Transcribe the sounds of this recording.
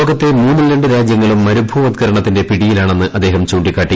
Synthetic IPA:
ɣɐt̪ːe̞muːnːɨleɳɖɨɾaːd͡ʑjɐŋːɐɭumːɐɾubʱuʋɐd̪ɡɐɾɐɳɐt̪ːinde̞piɽijilaːɳe̞nːɨʔɐd̪ːe̞ːɦɐmt͡ɕuːɳɖikʲːaːʈːi

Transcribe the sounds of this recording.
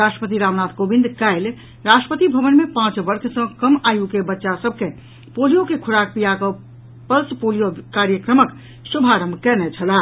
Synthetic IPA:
ɾasʈɾəpət̪iɾamnat̪ʰkobind̪kaɪl | ɾasʈɾəpət̪ibʱəʋənmepãt͡ʃbəɾkʰsə̃kəmajukebətːʃasəb̚ʱke | polijokekʰuɽak̚pijakə | pəlspolijokaɾjəkɾəmək | subʱaɾəmkɛnɛt͡ʃʰəla

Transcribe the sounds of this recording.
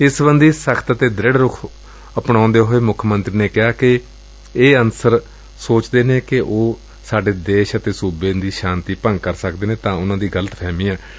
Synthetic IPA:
ɪsbənd̪iːsəkʰt̪ət̪eːd̪ɾɪɽɾʊkʰ | əpɳãːʊ̃nd̪eːɦoːeːmʊkʰmənt̪ɾiːneːkɪaːkɪ | eːənsəɾ | soːt͡ʃd̪eːneːkɪʔoː | saːɖeːd̪eːʃət̪eːsuːbẽːd̪iːʃãːnt̪iːpə̃ŋɡ̚kəɾsəkd̪eːnẽːt̪ãːʊnãːd̪iːɡələt̪pʰɛːmĩːãː

